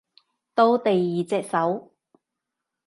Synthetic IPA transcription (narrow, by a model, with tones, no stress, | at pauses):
t̪o˥wt̪e˨jːiː˨t͡sɛː˧k̚sɐ˨˥w